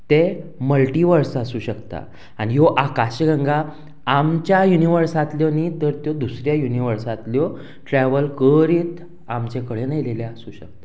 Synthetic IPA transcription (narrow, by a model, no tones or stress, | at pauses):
t̪eməlʈiʋəɾsasuːɕəkt̪a̰ | añijoʔakaɕəɡə̃ŋɡaː | mt͡ɕjajuniʋəɾsat̪ljɔnit̪əɾt̪jɔd̪usɾjajuniʋəɾsat̪ljɔ | ʈɾɛʋəlkəɾiːt̪ | amt͡ɕekəɭenajleljeasuːɕə̰k̚t̪a